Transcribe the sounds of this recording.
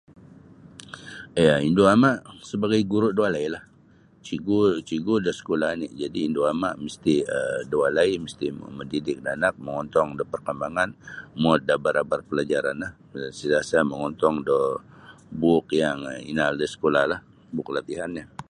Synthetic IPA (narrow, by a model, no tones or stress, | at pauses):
ijaindoamaʔsəbaɡajɡuɾʊʔdoalailah | t͡ʃiɡot͡ʃiɡodəsə̥kolanid͡ʒadiːndoama̰ʔməst̪iədoalaiməst̪iməndidɪk̚danak̚məŋɔnt̪ɔŋdɔpərkəmbaŋanmɔt̪̚dabaɾabarpəlad͡ʒaɾanlah | silasaməŋɔnt̪ɔŋdɔ | bukjaŋḭnaldəsə̥kolahlah | bʊklat̪iɦanɲa